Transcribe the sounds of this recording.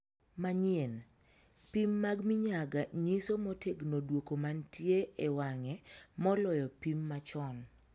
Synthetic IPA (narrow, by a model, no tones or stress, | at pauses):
maɲien | pimːaɡmiɲaɡaɲisomɔteɡnodwokomantjeewaŋɛmɔlɔjɔpimːat͡ʃɔn